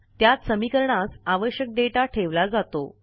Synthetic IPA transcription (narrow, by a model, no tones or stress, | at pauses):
t̪jat̪səmikəɾɳasaʋəɕjək̚ɖeʈaʈʰeʋlad͡zat̪o̰